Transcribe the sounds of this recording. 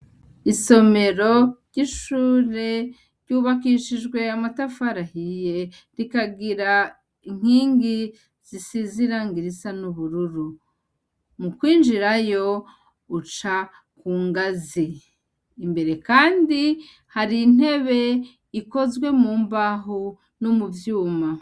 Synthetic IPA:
iso̞me̞ɾo̞ɾɟiʃuːɾe̞ | ɾɟuːβakiːʃiʒɡwe̞amatafaɾahije̞ | ɾikaɡiɾa | iŋ̥hiːŋɡi | z̥isiziɾaŋɡiɾisanuβuɾuɾu | mukwiːnd͡ʒiɾajo̞ | ut͡ʃa | kuːŋɡaziː | mbe̞ɾe̞kaːndi | haɾin̥e̞βe̞ | iko̞zɡwe̞muːmbaɦo | nomuvjuːma

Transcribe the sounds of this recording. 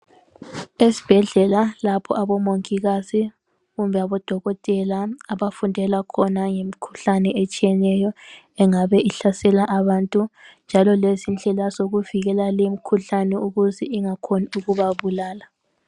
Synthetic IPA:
esi̥b̥ʱɛɮɛlalapʰɔ̰aβɔmoŋkʼiɣasi | ɣumbʱɛaβɔd̥ʱɔɣɔtʼɛlaaβafundʱɛlakʰɔnaŋemikʰu̥ɬanɛet͡ʃʼijɛnɛjɔ | ɛŋaβɛʔiɬasɛlaʔaβantʼund͡ʒʱalɔlezind͡ɮʱɛlasoɣuviɣɛlalemikʰuɬanɛuɣuziiŋakʰoniuɣuβaβulaːla

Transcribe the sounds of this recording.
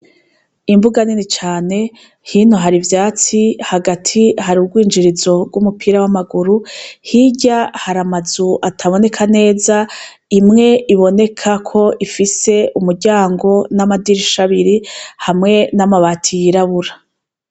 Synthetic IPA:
imvuɡaninit͡ʃaːne̞ | hiːnoɦaɾivjaːt͡sihaɡatʰihaɾuɡwiːnd͡ʒiɾizo̞bɡumupʰiːɾawamaɡuɾuhiɟahaɾamazuʔatʰaβo̞ne̞kʰane̞ːza | imŋe̞ʔiβo̞ne̞kʰakʰo̞ʔifise̞umuɾɟaːŋɡo̞namadiɾiʃaβiɾihamŋe̞namaβaːtʰijiɾaβuɾa

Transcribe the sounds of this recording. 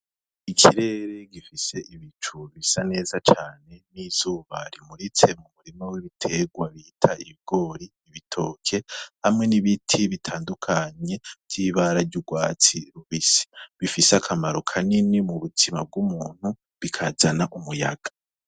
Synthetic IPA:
ikʰiɾe̞ɾe̞ɡifise̞ʔiβit͡ʃuβisane̞ːzat͡ʃaːne̞niz̥uːβaɾimuɾet͡se̞mumuɾimowiβitʰe̞ɡwaβitʰaiβiɡo̞ːɾiːβitʰo̞ːkʰe̞hamŋe̞niβitʰiβitʰaːndukʰaɲe̞̥tiβaɾaɾɟuɡwaːt͡siɾuβisi̥βifisakʰamaɾokʰaninimuβutʰima̰b̚ɡumuːn̥hu | βikʰazanaʔumuja̰ɡ̥ḁ

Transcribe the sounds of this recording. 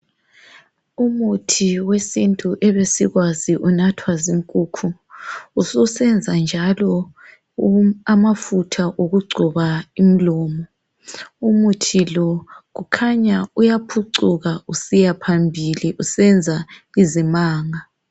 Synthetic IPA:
umutʰiwesintʼuʔɛβesiɣwaziʔunatʰwaziŋkʼuːkʰuː | susɛnd͡zʱand͡ʒʱalɔ | amafutʰaʔoɣuɡ͡ǀʱuβaim̩lɔːmɔ | umutʰilɔɣukʰaɲaujapʰuǀuɣausijapʰambʱiliʔusɛnd͡zʱaizimaːŋa

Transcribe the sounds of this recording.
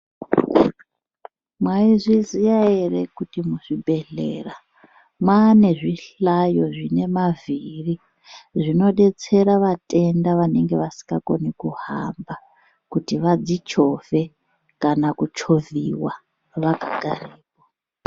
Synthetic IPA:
mwaiʐizijaere̞kutimuʐibʱe̞ɮe̞̰ra | mwane̞ʐiɬajo̞ʐine̞maviri | ʐino̞ɗe̞t͡se̞ɾaʋatʼe̞ndaʋane̞ŋɡe̞ʋasi̥ŋɡako̞nikuha̰mba | kutiʋad͡zit͡ʃo̞ve̞ | kanakut͡ʃo̞viwa | ʋakaɡ̥ʱariːpo

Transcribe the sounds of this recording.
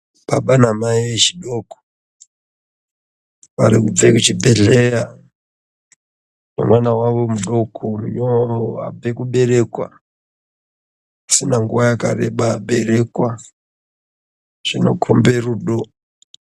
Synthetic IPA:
ɓ̥aɓanamaiʋet͡ʃiɗo̞ko̥ | ʋa̰ɾikub͡vekut͡ʃibʱeɮeja | nḛmwanawaʋo̞muɗo̞kʰomjoa̰b͡ve̞kuɓe̞ɾe̞kwa̰ | asinaŋɡuʋajaka̰reɓaɓe̞re̞kwa | ʐ̥ino̞̰kʰombe̞ruːɗo

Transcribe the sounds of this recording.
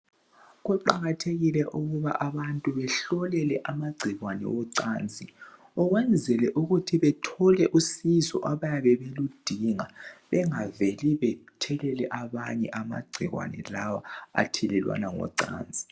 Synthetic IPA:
ɣuǃaɣatʰeɣilɛʔuɣuβaʔaβantʼuβɛɬɔlɛlɛʔamaɡ͡ǀʱiɣwanɛ̰wɔǀaːnd͡zʱʼi | ɔɣwɛnd͡zʱɛlɛʔuɣutʰiβɛtʰɔlɛʔusizɔ̰ʔaβajaβɛβelud̥ʱiŋaβɛŋaveliβɛtʰɛlɛlɛʔaβaɲɛʔama̰ɡ͡ǀʱiɣwa̰nɛ̰lawa̰a̰tʰɛlɛlwa̰naŋɔ̰ǀa̰ːnd͡zʱʼi̥

